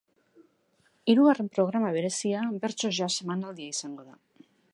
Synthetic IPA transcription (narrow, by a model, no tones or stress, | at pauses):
iɾuɣare̞mpɾo̞ɣ̞ɾamaβ̞e̞ɾe̞siabe̞ɾt͡so̞zʝase̞manald̪iaisaŋɡo̞ða